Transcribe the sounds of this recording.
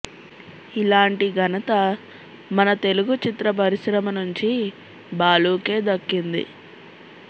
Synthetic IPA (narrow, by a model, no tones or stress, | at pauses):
ilaːɳʈiɡʱɐnɐt̪ɐ | mɐnɐt̪e̞luɡut͡ʃit̪ɾɐp̬ɐɾiʃɾɐmɐnuɲt͡ʃi | baːluːke̞ːd̪ɐkːind̪ḭ